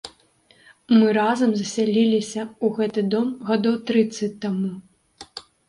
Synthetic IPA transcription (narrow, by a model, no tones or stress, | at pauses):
mɨɾazɐmzɐsʲalʲilʲisʲɐuɣɛt̪ɨd̪ɔmɣad̪ɔwt̪ɾɨt̪sːɐt͡s̚ʲt̪ːamu